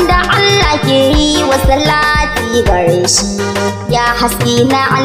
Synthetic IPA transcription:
daʔalːaːkʲeːɾiwasɐlaːtiːɡɐɽeːʃi | jaːhasiːnaʔa

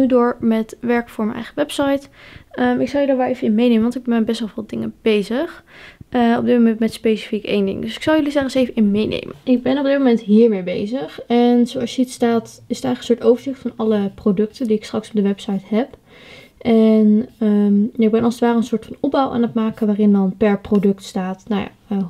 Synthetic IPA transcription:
ydʊːɹmɛtʋɛɹkfʊːɹmɛnʔɛ̰jχəʋɛpsɑjtəmɪksɑlˠjədaːɹʋɛlˠejvəɪnmejnejmənʋɑntɪɡ̚bɛnbɛstʋɛlˠvɪːlˠdɪŋəb̥ejzəχʔəɔb̚dɪtmomɛntmɛtspejsi̥fikḛjndɪ̰ŋdøsɪ̥ksɑlˠjɵlisɛχəsejvənɪnmejnḛjmə̰nɪɡ̚bɛnɔb̚dɪt̚momɛntɦiːɹmeːbḛjzəχɛnzowɑsjəitstaːtɪsətɛjxχəkənsʊːɹtowvəɹzɪχtfɑnɑləprodɵk̚təndiɪkstrɑksɔ̥b̚dəʋɛpsajtɦɛp | ʔɛnəmjaɪɡ̚bɛnɑlˠsətʋaːɾəənsʊːɹtfɑnɔb̚awʔa̰ːnətmaːkəʋaːrɪndɑnpɛɹprodɵktstaːtnawja̰ːə

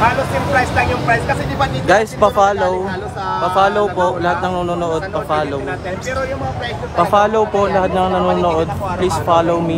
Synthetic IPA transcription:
aasjsɐɡajspɐfaːlow | pɐfaːlowpoʔlɐhat̪̚nɐŋnɐnoːnoʔod̪̚pɐfaːlow | pɐfaːlowpoʔlɐhat̪̚nɐŋnɐnoːnoʔod̪̚plisfaːlowmi

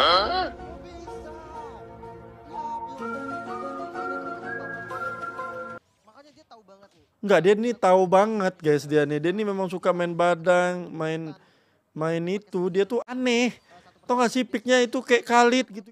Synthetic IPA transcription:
ə | ŋɡadianit̪aubaŋət̪̚ɡajs̬dianɪdianɪmemaŋsukamaɪnbadaŋmaɪn | maɪnit̪udiat̪uanɛh | t̪ɔŋaʔsipɪk̚ɲait̪ukaɛʔkalɪt̪̚ɡit̪

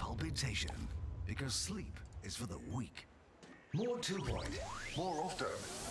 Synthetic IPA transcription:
pʰalˠpɨtʰeɪʃɨ̰̃nb̥ɨkʰʌz̥slipɨz̥fə˞ðə̰wik | mɔɹtʰʉbʰɔ̰̃ɪ̃tmɔɹɑftə̃n

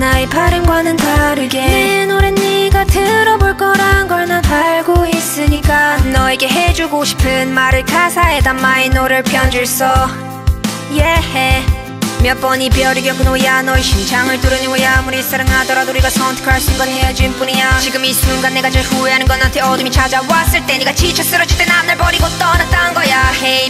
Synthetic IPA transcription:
naepʰaɾɯnɡwanɯntaɾɯɡenoɾenːiɡatʰɯɾʌboɭk͈ʌɾanɡʌɭnɯnaɭɡois͈ɯɲik͈anʌeɡe̞ɦe̞d͡ʑuɡoɕʰi̥pʰɯnmaɾɯɭkʰasʰae̞damainoɾɯɭpʰjʌnd͡ʑuɭs͈ʌ | jehe | mjʌp͈ʌɲipjʌɾɯɡjʌkɯnoijanʌiɕʰid͡ʑʰaŋɯɭtuɾɯɲɡojamuɾis͈ʰɯɾɯŋɦadʌɾadouɾiɡasʰʌntʰɯ̥kʰaɾɕʰinnɡʌnɦed͡ʑuinpuɲiɲat͡ɕiɡɯmis͈uŋɡanːe̞ɡad͡ʑʌɸueɦanɯnɡʌnantʰe̞ʌdɯmit͡ɕad͡ʑawas͈ɯɭt͈e̞ɲiɡat͡ɕit͡ɕʰʌs͈ɯɾʌt͡ɕʰi̥k̚t͈enanɯɭpʌɾiɡot͈ʌnat͈aɯnɡʌjahe

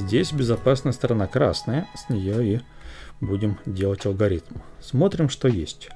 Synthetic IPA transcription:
zʲdʲesʲbʲɪzɐpasnəjəst̪əɾɐnakɾa̰snəjəsʲnʲɪjoibudʲɪmdʲe̞lˠətʲɐlˠɡɐɾʲit̪msmo̞t̪ɾʲɪmʂt̪ojesʲtʲ

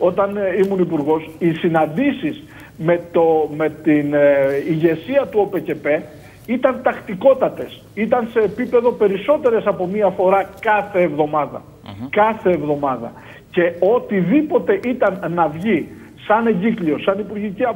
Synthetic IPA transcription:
o̞t̪ɐnimunipuɾɣo̞sisinɐnd̪isiz | me̞t̪ome̞t̪iniʝe̞siɐt̪uo̞pe̞ce̞pe̞ | it̪ɐnt̪ɐxt̪iko̞t̪ɐt̪e̞s | it̪ɐnse̞ːpipe̞ðo̞pe̞ɾiso̞t̪e̞ɾe̞sɐpo̞miɐfo̞ɾɐkɐθe̞ːvðo̞mɐðɐ̰ | kɐθe̞ːvðo̞mɐðɐ̰ | ce̞o̞t̪iðipo̞t̪e̞ʔit̪ɐnːɐvʝi | sɐne̞ɲɟiklio̞sɐnipuɾʝiciɐ

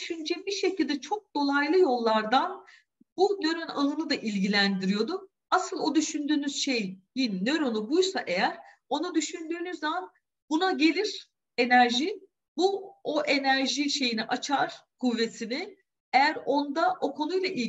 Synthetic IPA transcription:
ʃynd͡ʒɛbiʃe̞cʰilʲd̪ɛt͡ʃʰo̞k̚d̪o̞lˠajlˠɯjo̞lˠːaɾd̪an | bunø̞ɾona̰nˠɯnɯd̪aʔilʲɟilʲænd̪iɾijo̞d̪ʊ | asɯlˠo̞d̪yʃynd̪yːnyz̥ʃejjinːøɾonubujsaʔe̞jæɾ | o̞nad̪yʃynd̪yːnyzːaman | bunaɟe̞lʲiɾ̥ | e̞næɾʒi | buo̞ʔe̞næɾʒiʃe̞jiniʔat͡ʃʰaɾ̥kʰuvːe̞t̪ʰimi | e̞jæɾo̞nd̪aʔo̞kʰo̞nujlˠaʔi

